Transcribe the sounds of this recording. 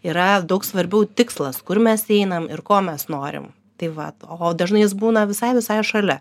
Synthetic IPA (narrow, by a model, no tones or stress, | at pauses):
iːɾɐd̪ɐʊksʋɐɾʲbʲɛʊt̪ʲɪkslˠɐskʊrmʲɛsɛɪnɐmɪrkoːmʲɛsnoːɾʲɪ̰m | t̪ɐɪʋɐ̰oːd̪ɐʒnɐɪjɪs̬buːnɐʋʲɪsɐɪʋʲɪsɐjɛʃɐlʲɛ